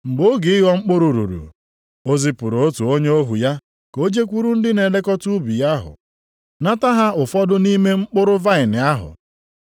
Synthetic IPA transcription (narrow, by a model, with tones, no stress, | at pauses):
ŋ͡m̩˨ɡ͡bo˦ɡɪ˨˦ɪ˦ɣɔ˦ŋ͡m̩˦k͡pʊ˦ɾu˨ɾṵ˨ɾṵ˨ | o˦zɪ˦pʊ˨ɾo˨o˦tu˨o˦ɲe˦o˦ɦu˨ja˦ | ko˦d͡ʒe˦kʷu˦ɾu˦n̩˦dɪ˦ne˨le˦kɔ˦tu˦bi˨ja˦ɦʊ̰˨ | na˦ta˦ɦa˦ʊ˨fɔ˦dʊ˦ni˦me˦ŋ͡m̩˦k͡pʊ˦ɾʊ˦va˦˨ɪ˨nɪ˨a˦ɦʊ̰˨